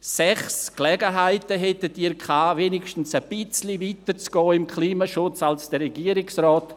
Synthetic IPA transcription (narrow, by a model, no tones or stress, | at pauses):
sɛχsklɛɡəɦaɪtəɦɛtətiːɾkʰaːvenɪʃtn̩səb̥ɪt͡slivitət͡sɡ̥ɔːɪmkʰliːmaʃʊt͡salsd̥əɾɛɡiːəɾɪksrɔːt